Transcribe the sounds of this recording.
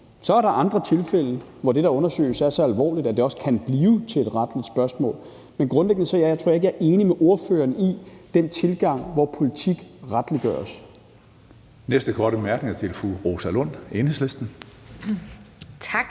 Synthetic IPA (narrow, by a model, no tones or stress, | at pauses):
sɒ̽æɐɾɑ̈ʔɑ̈nd̥ʁɐt͡sʰe̝lfel̰ə | ʋɒd̥e̝ɾɑ̈ɔ̽nɐsø̰ːɪsæɐsɒ̽ælʋɒ̰ːlid̥æd̥e̝ɒ̽skʰænb̥liːʊt͡sʰe̝led̥ʁɑ̈d̥lid̥sb̥ɶɐsmɔ̰ːl | menɡ̥ʁɔ̽nleɡ̥nəsɒjɑjt͡sʰo̝ɐ̰eɡ̥æɐʔe̝ːnimeʔo̝ɐfø̰ːɐnid̥ent͡sʰe̝lɡ̥ɑ̈ŋ̰ʋɒpʰo̝lit͡sʰiɡ̥ʁad̥liɡ̥ɶ̰ːɐs | nesd̥əkʰɒːɾ̥əb̥emæɐɡ̥ne̝ŋæɐt͡sʰelfṵʁosælɔn̰e̝ːnhesle̝sd̥n̩ | t͡sʰɡ̥